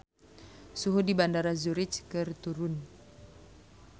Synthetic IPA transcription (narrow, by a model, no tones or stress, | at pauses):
suɦudibandaɾazuɾɪt͡ʃkɨrt̪uɾʊn